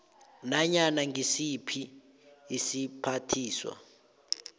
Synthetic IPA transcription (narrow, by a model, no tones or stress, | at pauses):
naɲanaŋɡʱisipʰiː | sipʰatʰiːswa̰